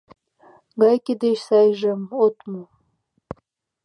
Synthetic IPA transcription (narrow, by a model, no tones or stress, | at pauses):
ɡɑjkʲed̪eʃsɑjʒəmot̪mu